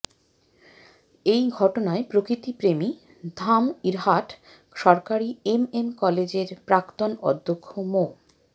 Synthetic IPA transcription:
ejɡʱɔʈonaepɾokɾit̪ipɾemi | d̪ʱamiɾɦaʈ | ʃɔɾkaɾiememkɔled͡ʑeɾpɾakt̪onɔ̰d̪ʱːokʰːomo

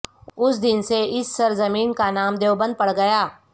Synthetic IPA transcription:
ʊsd̪ɪnseɪsːɐɾzɐmiːnkanaːmd̪eːwbɐ̃nd̪̚pɐɽɡɐjaː

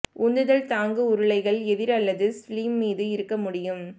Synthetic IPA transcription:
ʔʊnd̪ɯðɐɭt̪aːŋɡɯʊɾɯɭɐɪɣɐɭɛðɪɾɐlːɐðɯsliːmːiːðɯɪɾɯkːɐmʊɽɪjɯm

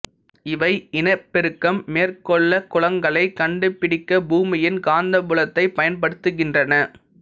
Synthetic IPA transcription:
ɪʋɐɪɪnɐɪpːɪɾɯkːɐmːeːrkɔɭːɐkːʊlɐŋɡɐɭɐɪkːɐɳɖɯpːɪɽɪkːɐbuːmɪjɪnkaːnd̪ɐbʊɭɐt̪ːɐɪpɐjɐnpɐɽɯt̪ːɯɣɪndrɐnɐ

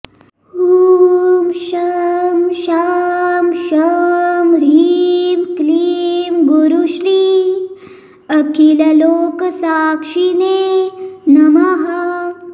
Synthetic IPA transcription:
hu | mʃɐmʃamʃɐmɾiːmkliːmɡuɾuʃli | ɐkilɐloːkɐsaːkʂineːnɐmaɦɐ

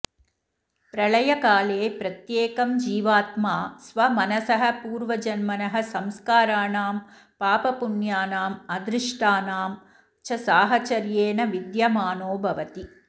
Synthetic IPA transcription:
pɾɐɭɐjɐkaːleːpɾɐt̪jeːkɐmd͡ʒiːʋaːt̪maːsʋɐmɐnɐsɐɦɐ̆puːɾʋɐd͡ʒɐnmɐnɐɦɐ̆sɐmskaːɾaːnaːm | paːpɐpunjaːnaːmɐd̪ɾɪʂʈaːnaːm | t͡ʃɐsaːɦɐt͡ʃɐɾjeːnɐʋid̪jɐmaːnoːbʱɐʋɐt̪i

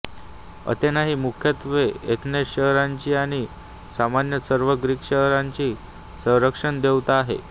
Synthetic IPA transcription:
ə̰t̪enaɦiːmukʰjət̪ʋeet̪neɕəɦɾãɲt͡ɕiːaɽ̃i | samanjəsəɾʋəɡɾiːkɕəɦɾaɲt͡ɕiː | sə̃w̃ɾəkʂənd̪ewt̪aɦḛ

